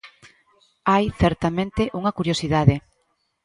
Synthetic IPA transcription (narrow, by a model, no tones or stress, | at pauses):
ajθɛɾt̪amẽnt̪ɪʔuŋɐkuɾjosiðaðɪ